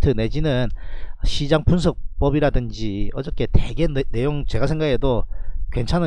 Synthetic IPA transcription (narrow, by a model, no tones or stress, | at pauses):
tʰɯne̞d͡ʑinɯnɕʰid͡ʑaŋpʰuns̬ʰʌk̚p͈ʌbiɾadɯnd͡ʑiʌd͡ʑʌk͈e̞teɡe̞nne̞joŋt͡ɕe̞ɡasʰe̞ŋɡaɡedokwe̞nt͡ɕʰanɯ